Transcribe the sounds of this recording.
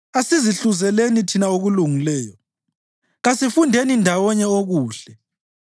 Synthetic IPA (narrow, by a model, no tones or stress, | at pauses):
asiziɬuzɛlenitʰinaoɣuluŋilɛːjɔ | ɣasifundʱenindʱawɔɲɛoɣuːɬɛ